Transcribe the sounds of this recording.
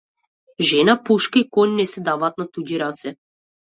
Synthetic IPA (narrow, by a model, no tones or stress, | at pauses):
ʒɛnapuʃkaikɔnnɛsɛd̪avaːt̪nat̪uɟiɾat̪sɛ